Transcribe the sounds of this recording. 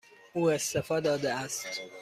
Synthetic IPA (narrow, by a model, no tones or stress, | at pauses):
uːest̪efɒːd̪ɒːd̪eæst̪